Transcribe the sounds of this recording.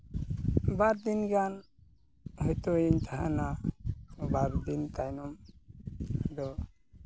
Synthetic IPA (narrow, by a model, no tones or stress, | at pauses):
baɾd̪inɡan | ɦɔt̪oiɲt̪ʰaɦana | baɾd̪int̪ajnɔm | d̪ɔ